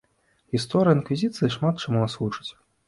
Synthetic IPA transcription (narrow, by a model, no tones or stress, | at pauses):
ɣʲist̪ɔɾɨjəinkvʲizʲit̪sɨjɨʂmat̪̚t͡ʃamunasɣut͡ʂɨ̥t͡sʲ